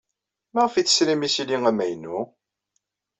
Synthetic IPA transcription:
mæʁəfit͡sːə̥sɾimisiliŋæmæjnːu

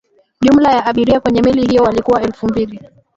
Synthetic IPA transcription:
ʄumlajaaɓiɾiakwɛɲɛmilihijɔwalikuwaɛlfumbili

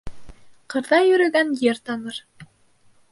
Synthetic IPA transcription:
qɤ̆ɾdɑjɵ̆ɾɵ̆ɡænjeɾt̪ɑnɤ̆ɾ

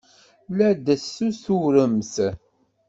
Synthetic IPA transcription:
læd̪əsːusuɾəmθ

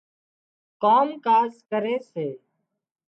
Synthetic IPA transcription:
koːmkaːzkəɾeːseː

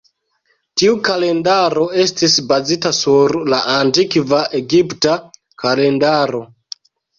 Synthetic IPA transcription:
tiukale̞ndaɾo̞e̞stisbazitasuɾlaʔantikvaʔe̞ɡipta | kale̞ndaɾo̞

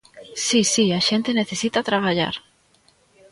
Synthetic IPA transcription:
sisiaʃent̪eneθesit̪at̪ɾaβaʎa̰ɾ

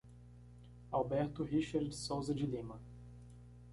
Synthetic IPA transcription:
awbɛɾt̪ʊhiʃaɾd̪sowzɐd͡ʒɪlĩmɐ

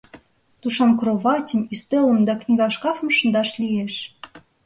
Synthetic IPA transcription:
t̪uʃɑnkroβɑtʲəmist̪ølə̆md̪ɑknʲiɣɑʃkɑfmʃə̆nd̪ɑʃlʲijeʃ

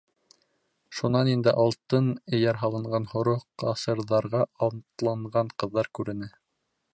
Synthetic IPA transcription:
ʃunɑnind̪ɘʔɑlˠt̪ɤnɘ̆jæɾɦɑlˠɤ̆ɴɢɑnhŏɾoqqɑsɤ̆ɾðɑɾʁɑɑnt̪lˠɑɴʁɑɴqɤ̆ðːɑɾkʉɾɘ̆nɘ

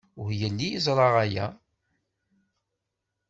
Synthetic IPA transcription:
ʊhjəlːijizˤɾˤɑʁæjæ̰

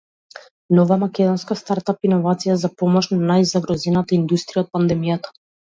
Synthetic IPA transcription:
nɔvamakʲɛd̪ɔnskast̪aɾt̪apinɔvat̪sijazapɔmɔʃnanajzaɡɾɔzɛnat̪aind̪ust̪ɾijaɔt̪̚pand̪ɛmijat̪ḁ

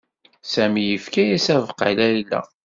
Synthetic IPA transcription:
sæmijəfkæjæsævqːa̰læjlːæ̰

